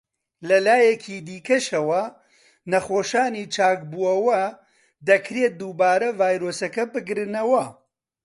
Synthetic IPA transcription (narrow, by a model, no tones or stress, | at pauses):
lɐlaːjɐkʰiːd̪iːkɐʃɐwɐ | nɐχoːʃaːniːt͡ʃʰaːk̚buɐwɐ | d̪ɐkʰɾeːt̪̚d̪uːbaːɾɐvaːjɾoːsɐkɐbɨɡɾɨnɐwɐ